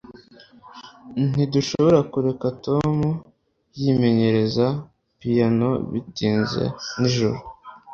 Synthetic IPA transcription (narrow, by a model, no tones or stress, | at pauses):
n̥iduʃo̞βo̞ɾakuɾe̞katomu | jime̞ɲe̞ɾe̞za | pijano̰βḭtiːnzḛniʒuɾu